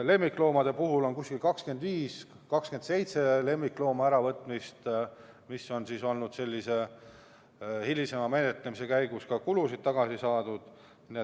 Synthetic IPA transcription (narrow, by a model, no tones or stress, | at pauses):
le̞mːikːˑlo̞ːmɑd̪̥e̞puɦulo̞nkuskilkɑkske̞nd̪viːs | kɑkske̞nd̪se̞jt̪se̞le̞mːiklo̞ːmɑæɾɑvɤt̪ːˑmist̪ | misːo̞nsiso̞lnud̪̥se̞lʲːise̞ | hilʲise̞mɑme̞net̪ˑlemise̞kæjɡ̥uskɑkulusid̪̥̚t̪ɑɡ̥ɑsisɑːd̪̥ud̪̥ | nie